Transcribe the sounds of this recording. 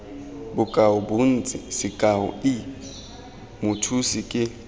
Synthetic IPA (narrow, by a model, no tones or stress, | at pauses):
bʊkʼaʊbuʊn̩t͡sʼɪsɪkʼahʊ̰ɪ | mʊtʰusɪkʼɪ